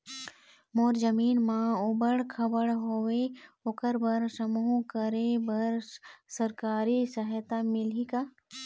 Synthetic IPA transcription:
moːɾzəmiːnmãʊbəɽkʰɐbəɽɦoːʋeokəɾbəɾsəmuːɦkəɾebəɾsɐɾkaːɾisəɦjt̪amɪlika

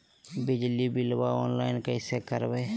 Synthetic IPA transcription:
bɪd͡ʒlibɪlbaɔːnlaɪnkəɪsekəɾbeː

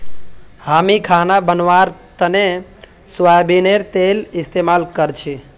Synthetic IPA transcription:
hamikʰanabənʋaɾt̪əne | swajbineɾt̪elist̪emalkəɾt͡ʃʰi

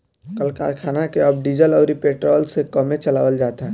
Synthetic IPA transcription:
kəlka̰ɾkʰanakeəb̚ɖid͡ʒələʊɾipeʈɾɔlsekəmet͡ʃəla̰wəld͡ʒat̪a

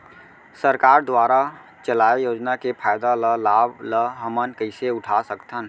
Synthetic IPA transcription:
səɾkaːɾd̪waːɾa | t͡ʃəlaːejoːd͡ʒnakepʰaːjd̪aləlaːbləɦəmənkəɪseʊʈʰasəkt̪ʰən

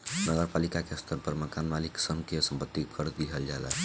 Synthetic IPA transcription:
nəɡəɾpalikakeəst̪əɾpəɾməkanmaliksənkesəmpət̪ːikʰəɾd̪iɦəld͡ʒaela̰

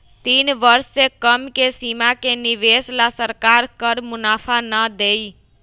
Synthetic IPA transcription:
t̪inbəɾsekəmkesimakeniʋeslasəɾkaɾkəɾmʊnapʰanəd̪ej

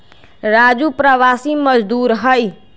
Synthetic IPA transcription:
ɾaːd͡ʒupɾəʋaːsiməd͡ʒd̪uːɾɦəj

